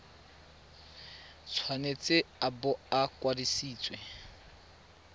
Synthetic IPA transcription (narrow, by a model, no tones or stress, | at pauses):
t͡sʰwanet͡sʼeabʊakwadisiːt͡sʼwɛ